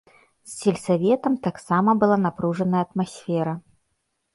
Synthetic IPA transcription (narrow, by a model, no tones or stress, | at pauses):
sːʲelʲsavʲɛt̪ɐmt̪aksamɐbɨlˠanapɾuʐɐnɐjəɐt̪masʲfʲɛɾɐ